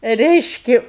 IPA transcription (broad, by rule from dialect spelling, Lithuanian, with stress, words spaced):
ˈrʲɛɪʃʲkʲɪ